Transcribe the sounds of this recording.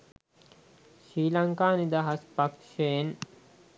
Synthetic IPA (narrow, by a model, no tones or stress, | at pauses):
ʃɾiːlaŋkaːnid̪aɦaspakʃen